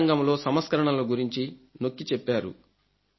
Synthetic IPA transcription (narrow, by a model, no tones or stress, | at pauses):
ŋɡɐmlo̞ːsɐmɐskɐɾɐɳɐloɡuɾiɲt͡ʃino̞kːit͡ʃɛpːaːɾṵ